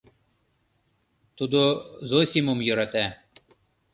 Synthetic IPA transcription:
t̪ud̪ozosʲimomjɤ̆ɾɑt̪æ

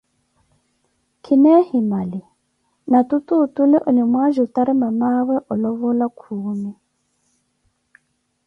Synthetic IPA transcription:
kʰinɛhimali | nat̪ut̪utulɛʔɔnimwaʒutaɾimamawɛʔɔlɔβɔlakʰuːmi

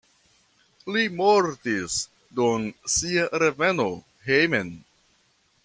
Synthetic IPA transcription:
limoɾtis | dunsiaɾe̞ve̞no̞ | ɦejmen

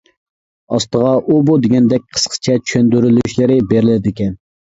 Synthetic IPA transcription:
ɑst̪əʁɑʔubud̪eɡʲɛnd̪ɛk̚ʲqʰə̥sqʰə̥t͡ʃʰɛt͡ʃʰy̥ʃønd̪yɾylyʃlɪɾɪbeɾɪlɪd̪ɪkʲɛn

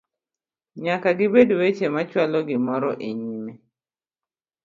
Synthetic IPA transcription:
ɲakaɡɪbedowet͡ʃemat͡ʃwalɔɡɪmɔɾɔʔeɲime

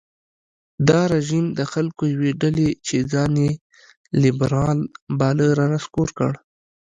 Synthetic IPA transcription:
d̪ɑɾeʒimd̪əxalkojaweɖalet͡ʃed͡zɑnje | lːɪbɾɑlbɑləɾɑnaskoɾkə̰ɽ

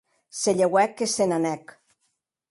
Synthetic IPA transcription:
seʎewɛkesenanɛk

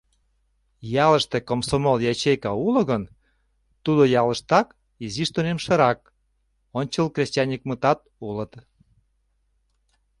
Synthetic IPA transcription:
jɑləʃt̪ekomsomoljɑt͡ɕejkɑuloɣən | t̪ud̪ojɑləʃt̪ɑk | iziʃt̪onemʃə̆ɾɑk̚ | onʲt͡ɕəlkrʲesʲt͡ɕʲɑnʲik̚mət̪ɑt̪̚ulət̪

